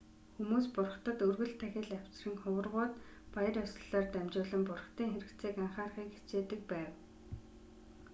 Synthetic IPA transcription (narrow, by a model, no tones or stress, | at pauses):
xumuːspʊrχt̪ɞ̆t̪ɵrɣɘ̆ɮt̪ʰːæxʲɪ̆ɮæw̥ʲt͡sriːŋχʊwə̆rʁʊːt̪ | pajə̆rʊsə̆ɮaːrt̪æmt͡ɕʊːɮə̆mpʊrχt̪iːŋxeɾɘ̆k̪t͡siːkaɴχaːrχiːkxe̥t͡seːt̪ɘ̆k̚pæːw